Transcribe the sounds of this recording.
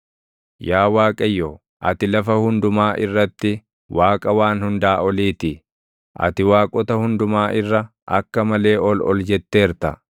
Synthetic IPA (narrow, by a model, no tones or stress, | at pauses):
jaːwaːkʼɐjːoː | ʔɐt̪ɪlɐfɐhʊnd̪ʊmaːʔɪrːɐt̪ːɪ | wʔaːkʼɐwaːnhʊnd̪aːʔɔliːt̪ɪ | ʔɐ̰t̪ɪwaːkʼɔt̪ɐhʊnd̪ʊmaːʔɪrːɐ | ʔɐkːɐmɐle̞ːʔɔlɔ̰ld͡ʒɛt̪ːe̞ːɾt̪ɐ̰